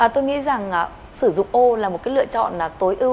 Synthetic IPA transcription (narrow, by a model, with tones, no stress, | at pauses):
ʔəː˨˩t̪o˧jŋḭ˧˥za˨˩ŋʔaː˨˩ | sɨ˧˩zʊ̰˧˨ŋ͡mʔo˧laː˨˩mo˨˩kaː˨˦jlɨ̰˧ət͡ɕɔ̰˧˨nlaː˨˩t̪o˨˦jʔɨ˧